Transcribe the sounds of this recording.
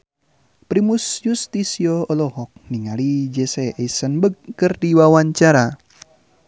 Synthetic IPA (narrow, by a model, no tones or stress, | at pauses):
pɾimusjust̪isiɔɔlɔhɔk̚niŋalid͡ʒɛsɛeisənbəɡ̚kɨrdiwawaɲt͡ʃaɾa